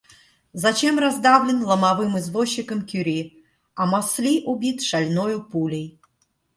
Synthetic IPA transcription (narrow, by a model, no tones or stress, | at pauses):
zɐt͡ɕɛmrazd̪avlʲɪnlˠəmavɨmɨzvoɕːikəmkʲyɾʲi | ɐmaslʲiʔubʲit̪ʂalʲnojupulʲej